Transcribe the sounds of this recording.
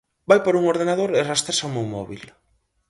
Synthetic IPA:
bajpaɾuŋoɾð̞enaðoɾerast̪ɾesamewmɔ̰βḭl

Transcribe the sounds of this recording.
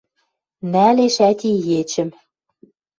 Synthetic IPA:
næleʃæt̪ʲijet͡ɕɘ̆m

